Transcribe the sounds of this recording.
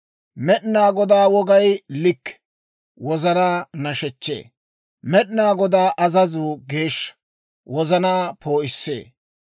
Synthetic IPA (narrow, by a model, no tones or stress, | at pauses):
mɛɗnaːɡɔd̪aːwɔɡɐjlɪkː | wɔzɐnaːnɐʃɛt͡ʃːḛː | mɛɗnaːɡɔd̪aːʔɐzɐzʊɡe̞ːʃːɐ̥ | wɔzɐnaːpʰo̞ːʔɪsːḛː